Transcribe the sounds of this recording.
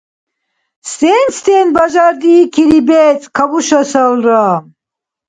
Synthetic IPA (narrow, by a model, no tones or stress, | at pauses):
st̪eːnst̪eːnbaʒaɾd̪ikʰiɾibɛt͡sʼkʰabuʃɐsɐlra